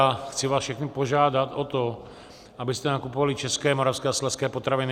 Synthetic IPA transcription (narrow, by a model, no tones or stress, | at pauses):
xt͡siʋaːsfʃɛxnipɔʒaːd̪at̪ɔt̪ɔ | abist̪ɛnakupɔvalit͡ʃɛskɛːmɔɾafskɛːaslɛskɛːpɔt̪ɾaʋin